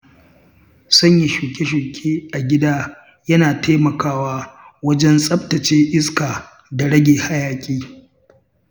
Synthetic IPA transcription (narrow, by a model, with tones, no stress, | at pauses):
sɐ˦ɲji˨ʃuː˨kʲʼe˦ʃ̬u˨kʲʼeː˦ʔa˨ɡʲɪ˦daː˦ | jɐ˦naː˨teː˦mɐ˨kaː˦waː˦ | wɐ˦d͡ʒɛ˦nsʼɐ˦btɐ˨t͡ʃeː˦ʔɪ˦skaː˨ | da˨ɽɐ˦ɡʲeː˨ha˦jaː˨kʲʼiː˦